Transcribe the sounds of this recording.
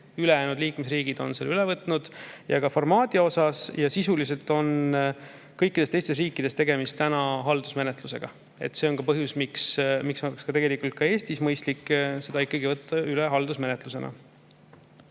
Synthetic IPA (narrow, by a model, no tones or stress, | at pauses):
ylejæːnud̪liːkmesriːɡ̥id̪̥o̞̰nseːlyle̞vɤt̪ˑnud̪̥jɑkɑformɑːd̪̥ʲio̞sɑsjɑsisulise̞lt̪ˑo̞n | kɤjkːid̪e̞st̪e̞jst̪e̞s̬riːkˑːid̪̥e̞st̪e̞ɡ̥e̞mist̪ænɑɦɑld̪̥usme̞net̪ˑluse̞̰ɡ̥ɑ̰ | e̞̰t̪ːse̞o̞nkɑpɤɦjusmiksmikso̞lekskɑt̪eɡelikːˑult̪̚kɑe̞ːst̪ismɤjst̪likːse̞d̪ɑikːɑɡivɤt̪ʰːɑyleɦɑld̪̥usme̞net̪luse̞nʔɑ̰